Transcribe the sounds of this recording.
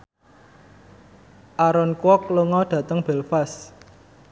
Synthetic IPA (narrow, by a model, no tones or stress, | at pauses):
ʔaɾɔnkwɔk̚ləŋɔɖ̥ä̤t̪əŋb̥ɛ̤lfas